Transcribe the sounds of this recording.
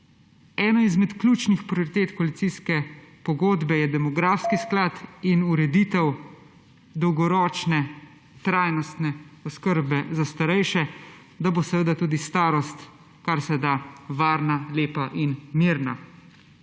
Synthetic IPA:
ɛːnɔizmɛt̪klʲuːt͡ʃnixpɾioɾit̪eːt̪kɔlit̪siskɛpɔɡoːd̪bɛjɛd̪ɛmɔɡɾaːfskisklaːt̪inuɾɛd̪iːt̪ɛw | d̪ɔwɡɔɾɔːt͡ʃnɛ | t̪ɾaːjnɔst̪nɛɔskəɾbɛzast̪aɾɛjʃɛ | d̪abosɛʋəd̪at̪uːd̪ist̪aːɾɔst̪ | kaɾsɛd̪aʋaːɾnaleːpaʔinmiːɾna

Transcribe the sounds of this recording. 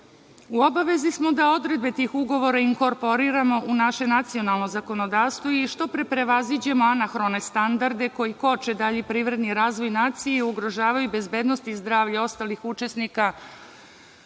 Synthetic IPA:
uo̞baʋe̞zismo̞d̪ao̞d̪ɾe̞d̪̚bet̪iːxuɡo̞ʋo̞ɾaiŋko̞ɾpo̞ɾiɾamo̞ʔunaʃenat̪sio̞nalˠno̞zako̞no̞d̪aːʋst̪ʋoiʃt̪o̞pɾepɾe̞ʋazid͡ʑe̞mo̞anaxɾone̞st̪and̪aɾd̪e̞ko̞jiko̞t͡ʃed̪aʎepɾiːʋɾe̞d̪niɾaːzʋo̞jnaːt̪sijeiuɡɾo̞ʒaːʋajube̞zbe̞ːd̪nost̪izd̪ɾaːʋʎao̞st̪aːlixut͡ʃe̞snika

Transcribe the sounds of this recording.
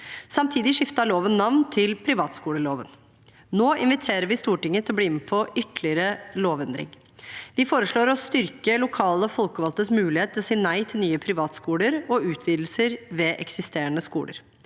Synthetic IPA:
sɑmt̪ʰiːd̪ɪʂɪft̪ɑɭoːʋənnɑʋnt̪ʰɪlpʰɾɪʋɑːt̪skuːɽəloːʋən | noːʔɪnʋɪt̪ʰeːɾəɾʋɪst̪uːʈɪŋːət̪ʰɪlɔbliːɪnːəpʰɔʔʏt̪lɪəɾəloːʋɛnd̪ɾɪ̰ŋ | ʋɪfoːɾəʂɭoːɾɔst̪ʏɾkəlʊkʰɑːləɔfɔlkəʋɑlt̪əsmʉːlɪheːt̪ʰɪlsiːnæɪt̪ʰɪlnyːəpʰɾɪʋɑːt̪skuːləɾɔʉːt̪ʰʋiːd̪l̩səɾʋɛʔɛksɪst̪eːəɳəskṵːlə̰ɾ

